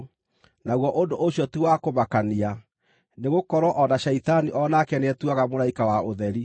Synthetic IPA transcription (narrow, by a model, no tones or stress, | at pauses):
naɣwɔʔondoʔoɕjɔtiwakomakania | neɣokɔɾwɔʔɔnaɕɛitaniʔɔnakɛneɛtuaɣamoɾaikawaoðɛɾi